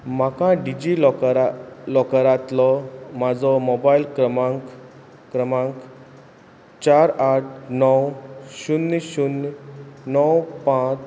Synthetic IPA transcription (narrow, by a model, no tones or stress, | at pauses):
m̤akãɖid͡ʑilkɾlɔkəɾat̪lɔmad͡zɔmobailkɾmak | kɾəmãŋk | t͡ɕaɾaʈ̚ʰnɔwɕunːɕun | nɔwpãt͡s